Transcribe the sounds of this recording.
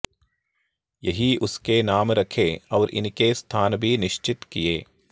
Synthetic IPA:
jɐɦiʊskenaːmɾɐkʰeːɔːɾʔɪ̰nkest̪ʰaːnbʱinɪʃt͡ʃɪt̪kijeː

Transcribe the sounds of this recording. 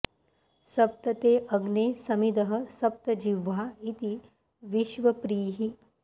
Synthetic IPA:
sɐp̚t̪ɐt̪eːʔɐɡneːsɐmid̪ɐɦɐ̆sɐp̚t̪ɐd͡ʒiʋaːit̪i | ʋiʃʋɐpɾiːɦi

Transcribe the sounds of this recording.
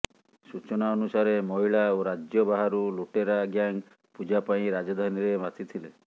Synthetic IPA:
sut͡ʃɔnaɔnusaɾemɔɦiɭaoɾad͡ʒjɔbaɦaɾuluʈeɾaɡjaŋ | pud͡ʒapaĩɾad͡ʒɔd̪ʱaniɾemat̪ʰit̪ʰile

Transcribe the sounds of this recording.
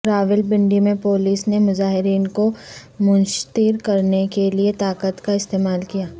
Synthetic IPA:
ɾaːʋɪlbɪ̃ɳɖimẽpoːliːsnemʊzaːɦɪɾiːnkomʊ̃nʃt̪iːɾkɐɾnekeliet̪aːkət̪kaɪst̪eːmaːlkijaː

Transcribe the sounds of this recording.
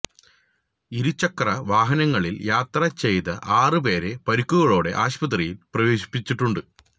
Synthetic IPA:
iɾut͡ɕːɐkːrɐʋaːɦɐnɐŋːɐɭiljaːt̪rɐt͡ɕe̞jt̪ɐʔaːrɨpe̞ːɾe̞pɐɾukːuɣɐɭoːɽe̞̰ʔaːɕpɐt̪̬rijilprɐʋeːɕi̥pːit͡ɕːiʈːuɳɖɨ

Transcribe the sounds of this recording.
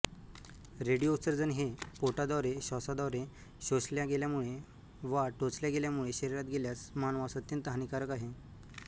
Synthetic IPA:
ɾeɽijosəɾd͡zənɦepoʈad̪ɔʋɾeɕɔsad̪ɔʋɾe | ɕoɕljaɡeljamuɭe | ʋaʈot͡sljaɡeljamuɭeɕəɾiɾat̪̚ɡʱeljasmanʋasət̪ːiːnt̪əɦanikaɾəkaɦe

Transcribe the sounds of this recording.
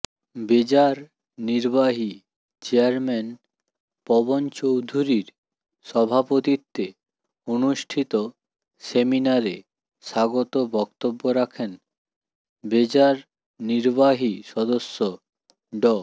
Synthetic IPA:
bed͡ʑaɾ | niɾbaɦi | t͡ɕeaɾmen | pɔbont͡ɕowd̪ʱuɾiɾ | ʃɔbʱapot̪it̪ːe | onuʃʈʰit̪o | seminaɾe | ʃaɡot̪obɔkt̪obːoɾakʰen | bed͡ʑaɾ | niɾbaɦiʃɔd̪osːo | ɖɔ

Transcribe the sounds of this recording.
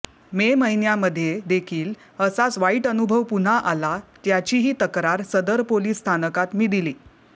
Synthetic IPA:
meməɦinjaməd̪ʱːjed̪ekʰiːl | əsat͡sʋaiʈənubʱəʋpun̤aʔalat̪jat͡ɕiːɦiːt̪əkɾaɾsəd̪əɾpoliːsːt̪ʰanəkat̪miːd̪iliː

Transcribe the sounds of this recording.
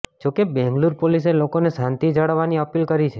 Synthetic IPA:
d͡ʒokebɛ̃ŋɡluɾpoliselokonesant̪id͡ʒəɽəʋːaniəpilkəɾit͡ʃʰe

